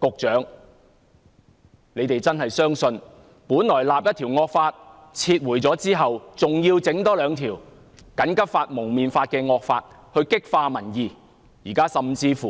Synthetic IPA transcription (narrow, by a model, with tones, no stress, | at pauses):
kʊ˨k̚t͡ʃœː˨˥ŋ | ne˨˧jt̪e˨jt͡sɐ˥nɦɐ˨jsœː˥ŋsɵ˧n | puː˨˥nlɔː˨˩jlaː˨p̚jɐ˥t̪ʰiː˨˩wŋɔː˧k̚faː˧t̚ | t͡sʰiː˧t̚wuː˨˩jt͡sɔː˨˥t͡siː˥ɦɐ˨wt͡sʊ˨ŋjiː˧wt͡sɪ˨˥ŋt̪ɔː˥lœː˨˧ŋt̪ʰiː˨˩w | kɐ˨˥nkɐ˥p̚faː˧t̚mʊ˨˩ŋmiː˨nfaː˧t̚kɛː˧ŋɔː˧k̚faː˧t̚hɵ˧ɥkɪ˥k̚faː˧mɐ˨˩njiː˨ | jiː˨˩kaː˥sɐ˨mt͡siː˧fuː˨